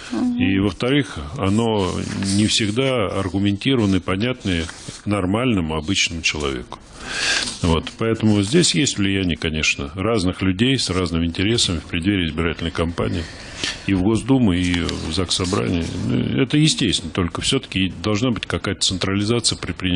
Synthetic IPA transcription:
ivəft̪ɐɾɨxɐ̰no̞nʲɪfsʲɪɡd̪aɐ̰rɡʊmʲɪnʲtʲiɾəvənːəɪpɐnʲat̪nəjənɐrmalʲnəmʊɐbɨt͡ɕnəmʊt͡ɕɪlˠɐ̰vʲḛkʊ̥ | vo̞t̪pɐɛt̪əmʊzʲdʲesʲjesʲtʲvlʲɪjænʲɪjəkɐnʲe̞ʂnə̰raznɨxlʲʉdʲejsraznɨmɪnʲtʲɪɾʲe̞səmʲɪfpɾʲɪd̪vʲeɾʲɪɪzbʲɪɾatʲɪlʲnəɪjkɐmpa̰nʲɪː | ivɡo̞zd̪umʊivzaksɐbɾa̰nʲɪ̰ɪnṵɛt̪əjɪsʲtʲesʲt̪ʲɪnət̪o̞lʲkəfsʲɵt̪ə̥kʲɪd̪ɐlˠʐnabɨtʲkɐkajət̪ət̪sɨnt̪ɾəlʲɪzat̪sɨjəpɾʲɪt̪̚pɾʲɪ

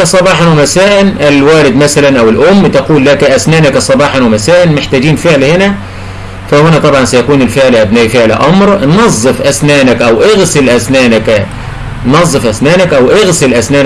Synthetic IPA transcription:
æsˤɑbɑːħɑnwɪmæsæːʔɪnʔɪlwæːlɪd̪mæsælænʔæwɪlʔʊmːt̪ɑquːlːækæʔæsnæːnækæsˤɑbɑːħɑnwɪmæsæːʔɪnmeħt̪æːd͡ʒiːnfeʕlhɪnæ | fæhʊnæt̪ˤɑbʕɑnsæjækuːnɪlfɪʕlʔæbnæːʔfɪʕlæ̰ʔɑmɾnnɑzˤːɨfʔæsnæːnækʔæwʔeɣsɪlʔæsnæːnæk | nnɑzˤːɨfʔæsnæːnækʔæwʔɑɣsɪlʔæsnæː

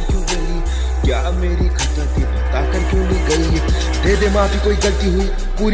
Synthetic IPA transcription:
kjũːɡɐli | kjaːmeːɾikʰɐt̪əɾt̪ipɐt̪aːkɐɾkjũːlikɐi | d̪ʱeːd̪eːmãːpikoːikɐɾt̪iɦʊi | puːɾ

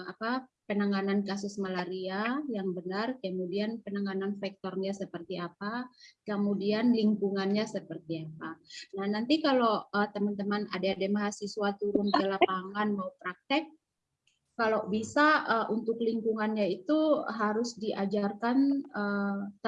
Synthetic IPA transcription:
apapənaŋanankasʊsmalaɾiajaŋbənarkəmudianpənaŋananfɛk̚t̪ɔrɲasəpərt̪iapakəmudianliŋkuŋanɲasəpərt̪iapanahnant̪ikaloət̪əmənt̪əmana̰dadamaɦasisuat̪uɾʊnkəlapaŋanmaup̪ɾak̚t̪ɛk̚ː | alobisaəʔunt̪ʊkliŋkuŋanɲait̪uɦaɾʊsdiʔad͡ʒarkanət̪

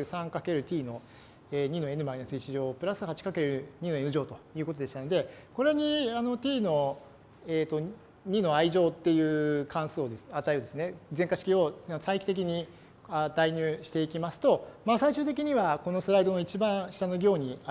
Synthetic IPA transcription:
sãŋkake̞ɾɯ̟t̪ʲiːno̞ | eːɲ̟ino̞e̞nɯ̟mainasɨit͡ɕiʑo̞ːpɯ̟ɾasɨhat͡ɕi̥kake̞ɾɯ̟ɲ̟ino̞e̞nɯ̟ʑo̞ːt̪o̞jɯ̟ːko̞t̪od̪eɕt̪and̪e̞ko̞ɾe̞ɲ̟iano̞t̪ʲiːno̞ | eːt̪o̞ | ɲ̟ino̞aiʑo̞ːt̪ːe̞jɯ̟ːkʰãɰ̃soːd̪e̞sat̪aeɯd̪e̞sɨne̞zẽ̞ŋkaɕi̥kʲio̞asaikʲi̥t̪e̞k̬ʲiɲ̟i | ad̪̥aiɲ̟ʲɨːɕi̥t̪e̞ikʲimasɨ̥t̪o̞maːsaiɕɨːt̪e̞k̬ʲiɲ̟iβako̞no̞sɨɾaid̪o̞no̞it͡ɕibãɰ̃ɕi̥t̪anoɡʲo̞ːɲ̟ia

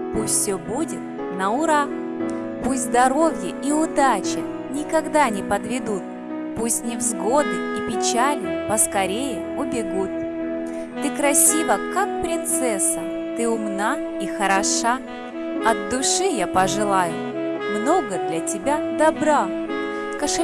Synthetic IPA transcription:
pusʲt̪ʲfsʲɵbudʲɪt̪̚ | nəʊɾa | pusʲt̪ʲzd̪ɐɾo̞vʲjəʔiʊd̪at͡ɕɪ | nʲɪkɐɡd̪anʲɪpəd̪vʲɪd̪ut̪̚ | pusʲtʲnʲɪvzɡo̞bʲɪt̪ipʲɪt͡ɕalʲnəpəskɐɾʲejɪ | ʊbʲɪɡut̪̚ | t̪ɨkɾɐsʲivəkak̚pɾʲɪnt̪sɛsə | t̪ɨʊmna | ixəɾɐʂa | ɐd̪d̪ʊʂɨjapəʐɨlˠajʊ | mno̞ɡəd̪lʲɐtʲɪbʲad̪ɐbɾa | kɐʂ

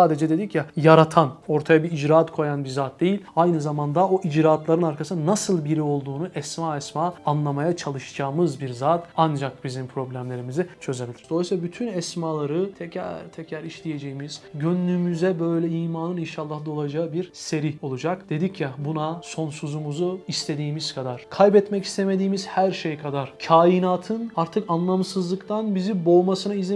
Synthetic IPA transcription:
aːd̪e̞d͡ʒɛd̪e̞d̪icjajaɾat̪ʰano̞ɾt̪ʰajabiid͡ʒɾaːt̪kʰo̞janbiɾzaːt̪̚d̪e̞jilʲajnɯzamand̪ao̞ʔid͡ʒɾaːt̪lˠaɾɯnaɾkʰasɯnnasɯlˠbiɾio̞lˠd̪uːnuʔɛsmaːɛsmaːnlˠamajat͡ʃʰalˠɯʃd͡ʒaːmɯzbiɾzaːt̪and͡ʒak̚bizimpʰɾo̞blʲæmlʲe̞ɾimizit͡ʃʰø̞ze̞bilʲiɾd̪oislabyt̪ʰynɛsmaːlˠaɾɯt̪ʰɛcʰæ̰ɾt̪ʰɛcʰɾæɾiʃlʲije̞d͡ʒejimiz̥ɟønlʲymyzɛbø̞jlʲɛiːmaːnɯninʃalˠːahd̪aolˠad͡ʒaɯbiɾse̞ɾio̞lˠud͡ʒakd̪̥e̞d̪icjɛbunaso̞nsuzumuzuist̪ʰe̞d̪iːmiz̥kʰad̪aɾ̥kʰajbɛt̪mɛci̥st̪ʰeme̞d̪iːmiz̥hæɾʃe̞jkʰad̪aɾ̥cʰaːjinaːt̪ʰɯnaɾt̪ʰɯkanlˠamsɯzlˠɯkt̪ʰanbizibo̞ːmasɯnaizi

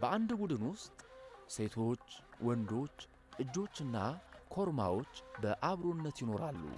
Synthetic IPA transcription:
bəand̪bud̪ɨnwʊst̪ʼse̞t̪ʰo̞t͡ʃːwɔnd̪o̞t͡ʃː | ʔɨd͡ʒːo̞t͡ʃːɨnːakʰo̞ɾma̰wo̞t͡ʃːbəʔaβɾonːət̪jɪno̞ɾalːṵ

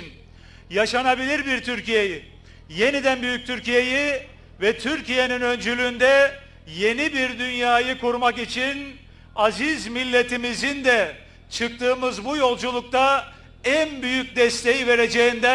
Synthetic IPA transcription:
n | jaʃanabilʲiɾbiɾt̪ʰyɾcije̞jɪ | je̞nid̪ænbyjyc̚t̪ʰyɾcije̞ji | vɛt̪ʰyɾcije̞ninø̞nd͡ʒylʲyːnd̪ɛ | je̞nibiɾd̪ynjaːjɯkuɾmakit͡ʃʰin | azizmilʲːe̞t̪ʰimizind̪ɛ | t͡ʃʰɯk̚t̪ʰɯːmɯzbujo̞lˠd͡ʒulˠuk̚t̪ʰa | ænbyjyc̚ʲd̪ɛst̪ʰe̞jive̞ɾe̞d͡ʒe̞ind̪æ

